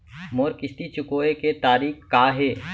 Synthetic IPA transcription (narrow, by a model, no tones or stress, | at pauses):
moːɾkɪst̪it͡ʃʊkoːeket̪aːɾiːkkːaːɦeː